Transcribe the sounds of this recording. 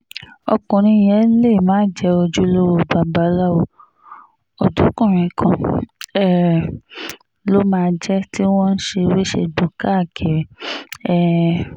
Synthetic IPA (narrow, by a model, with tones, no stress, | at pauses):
ɔ̰˧kɔ̃˨ɾ̃ĩ˧˦j̃ɛ̃˨˦le˦˨mãː˨˦˨d͡ʒɛ˧˦o˧d͡ʒu˦lo˦wo˧˨ba˨˧˦ba˨˦la˦wo˧ | o˨du˨˦kũ˦˨ɾ̃ĩ˨kʰã˧ɛ˦ | lo˦mãː˦˧d͡ʒɛ˦ti˦w̃ɔ̃˦n̩˦ʃe˧we˦ʃḛ˧do˨ka˦˨kʰe˨ɾɛ˦